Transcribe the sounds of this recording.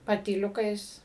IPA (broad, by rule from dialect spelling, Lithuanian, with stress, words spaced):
pɐtʲiːˈlʲʊkɐɪs